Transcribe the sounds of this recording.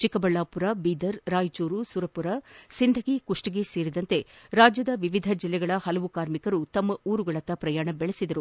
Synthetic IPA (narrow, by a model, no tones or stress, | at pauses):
t͡ʃikɐbɐɭːaːpuɾabiːd̪ɐɾɾaːjt͡ʃuːɾusuɾɐpuɾɐsind̪ʱɐɡikuʂʈiɡeseːɾid̪ɐnt̪e̞ɾaːd͡ʒjɐd̪ɐʋiʋid̪ʱɐd͡ʒilːɛɡɐɭɐhɐlɐʋukaːɾmikɐɾut̪ɐmːɐuːɾuɡɐɭɐt̪ːɐpɾɐjaːɳɐbɛɭesid̪ɐɾu